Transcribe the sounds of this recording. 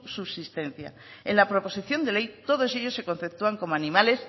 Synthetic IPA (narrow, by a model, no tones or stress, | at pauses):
suβsist̪e̞n̟θja̰ | ḛnlapɾo̞po̞siθjo̞nd̪e̞le̞jt̪o̞ð̞o̞se̞ʎo̞sːe̞ko̞n̟θep̚t̪uaŋko̞moanĩmale̞s